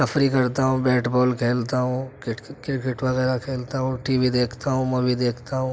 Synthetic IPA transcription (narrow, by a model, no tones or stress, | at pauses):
səfɾikɐɾt̪aɦũbɛːʈbɔːlkʰeːlt̪aɦũkɪʈkɪkɪʈʋɐɣɛːɾakʰeːlt̪aɦũʈiːʋid̪eːkʰt̪aɦũmɐ̃bʱid̪eːkʰt̪aɦũ